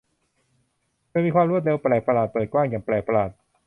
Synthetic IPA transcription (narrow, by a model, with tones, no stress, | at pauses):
ɤː˧jmiː˧kʰwaː˧mɾu˥˩t̪̚ɾe˧wplɛː˨˩k̚pa˧laː˨˩t̪̚pɤː˨˩kwaː˥˩ŋjaː˨˩ŋplɛː˨˩k̚pa˧laː˨˩t̪̚